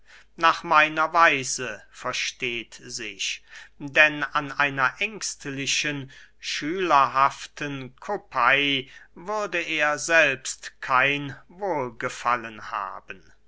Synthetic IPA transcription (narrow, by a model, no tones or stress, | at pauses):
naːχmaɪnɐvaɪzəfɛɐʃteːtzɪɕdɛnanʔaɪnɐʔɛŋkstlɪʃənʃyːlɐɦaftʰənkʰopʰaɪvʏʁdəʔeːɐzɛlpstkʰaɪnvoːlɡəfa̰lənha̰ːbən